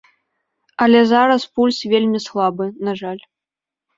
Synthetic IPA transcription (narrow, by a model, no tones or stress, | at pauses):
ɐlʲɛzaɾɐspulʲsvʲelʲmʲislˠabɨnaʐalʲ